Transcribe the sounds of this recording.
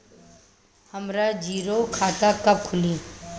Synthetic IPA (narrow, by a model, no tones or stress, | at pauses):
həmɾaːd͡ʒiːɾokʰaːʈakəb̚kʰʊliː